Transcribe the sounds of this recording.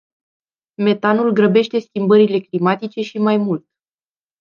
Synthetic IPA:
me̞t̪anulɡɾəbe̞ʃt̪e̞skʲimbəɾile̞klimat̪it͡ʃe̞ʃimajmult̪

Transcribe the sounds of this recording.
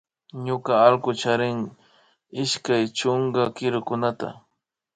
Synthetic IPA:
ɲʊkaalkʊt͡ʃaɾɪŋ | ɪʃkajt͡ʃoŋɡakɪɾʊkʊnat̪a̰

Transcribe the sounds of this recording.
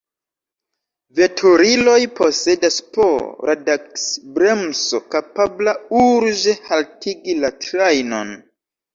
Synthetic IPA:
ve̞tʰoɾilo̞jpo̞se̞daspo̰ɾʔadaksbɾemso̞̰kapablauɾd͡ʒe̞haltʰiɡilatɾajno̞̰n

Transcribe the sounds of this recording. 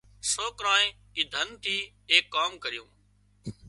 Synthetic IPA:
soːkɾãːẽː | ɪːd̪ʱənt̪ʰiː | eːkːaːmkəɾɪjṵ̃ː

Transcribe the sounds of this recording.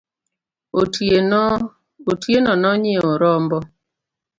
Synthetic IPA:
otjenɔnɔɲɪoɾɔmbɔ

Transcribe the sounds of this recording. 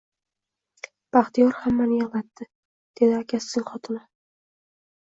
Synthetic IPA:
b̥aχt̪ijɒɾhamːanɪjalat̪ːɪ | d̪̥e̞d̪ɪakʲʰasːɪŋχɒt̪ʰɪnɪ

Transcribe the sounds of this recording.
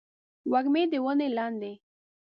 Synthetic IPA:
waɡmed̪əwənelɑnd̪e

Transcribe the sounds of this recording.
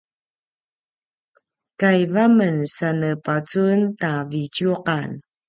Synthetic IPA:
kajvamənsanəpat͡suntavit͡ɕjuqan

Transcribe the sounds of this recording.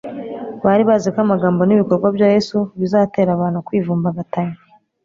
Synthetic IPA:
βaɾiβazikwamaɡaːmbo̞niβikoɾɡwabjaːje̞suβizaːte̞ːɾaβaːn̥hukwiːvuːmbaβataɲi

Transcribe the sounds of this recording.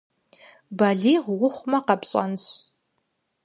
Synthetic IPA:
baɮiʁʁʷʊχʷmɐqapɕʼa̰nɕ

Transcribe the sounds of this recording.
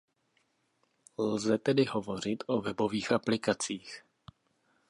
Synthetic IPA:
lzɛt̪ɛdɪɦo̞vo̞r̝ɪt̪ʔo̞vɛbo̞viːxʔaplɪkat͡siːx

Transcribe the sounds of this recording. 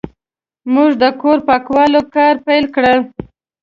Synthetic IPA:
muʐd̪əkoɾpɑkwɑlokɑɾpajlkɽə

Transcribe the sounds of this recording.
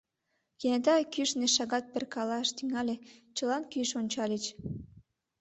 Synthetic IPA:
jenet̪ɑkyʃneʃɑɣɑt̪̚perkɑlɑʃt̪yŋɑlʲet͡ɕəlɑnkyʃonʲt͡ɕɑlʲet͡ɕ

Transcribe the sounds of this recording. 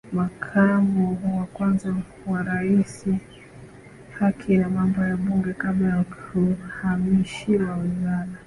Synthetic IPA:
makʰamuwakwanza | waɾaisi | hakʰinamambɔjaɓuŋɡɛkaɓlajakuhamiʃiwawizana

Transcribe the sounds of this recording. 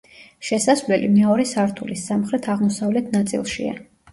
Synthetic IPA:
ʃɛsasvlɛlḭmɛɔɾɛsaɾt̪ʰulisːamχɾɛt̪ʰaʁmɔsavlɛt̪ʰnat̪sʼḭlˠʃḭa̰

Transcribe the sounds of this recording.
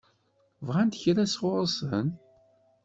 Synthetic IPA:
vʁænt̪çɾæsʁʊɾˤəsən

